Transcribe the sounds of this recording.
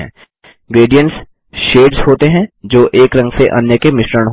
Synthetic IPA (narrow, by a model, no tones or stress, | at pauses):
ɛ̰̃ː | ɡɾeːɖijə̃ɳʈs | ʃeːɖsɦoːt̪eɦɛ̃d͡ʒoːʔeːkɾɐ̃ŋɡseʔɐ̰njəkemɪʃɾəñɦ